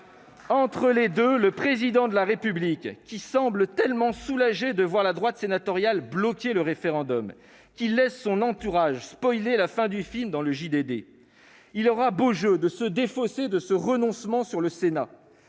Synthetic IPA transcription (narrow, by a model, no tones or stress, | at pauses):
ɑ̃t̪χəled̪øləpχezid̪ɑ̃d̪əlaʁepyblikʲːisɑ̃blət̪ɛlmɑ̃sulaʒed̪əvwaʁlad̪ʁwat̪senat̪ɔʁjalblɔkʲeləʁefeʁɑ̃d̪ɔm | kʲilɛsːɔ̃nɑ̃t̪uʁaʒspɔjlelafɛ̃d̪yfilmd̪ɑ̃ləʒid̪ed̪e | ilɔʁaboʒød̪əsəd̪efɔsed̪əsəʁənɔ̃smɑ̃syʁləsena